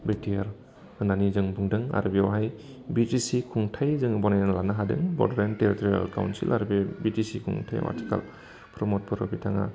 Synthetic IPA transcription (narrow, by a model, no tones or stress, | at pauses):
bek̚tijaɾ | ɯnanizɯŋbuŋdɯŋa̰ɾɯbiawɦaj | bitisikʰuŋtʰajzɯŋbɔnajnlanaɦadɯ̰ŋbɔ̰ɾdaɾenteɾitɔɾia̰lka̰wnsḭlʔa̰ɾbebitisikʰṵŋtʰa̰j̰wa̰ɾtʰi̥kʰa̰l | pʰɾɔmɔt̚bʰɯɾɔbitʰaŋa̰